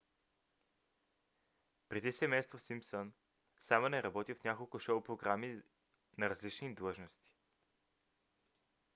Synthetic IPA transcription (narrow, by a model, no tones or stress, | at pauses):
pɾɛd̪isɛmɛjst̪vosimpsɔn | samonɛɾɐbɔt̪ifnʲakolˠkʊʃoʊpɾoɡɾami | nɐɾɐzlit͡ʃnid̪lˠɤʒnost̪i̥